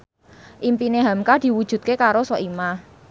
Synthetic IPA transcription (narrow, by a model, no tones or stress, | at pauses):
ʔimpineɦamkad̥i̤wud̥ʒ̥ṳt̪̚kekaɾosɔʔimah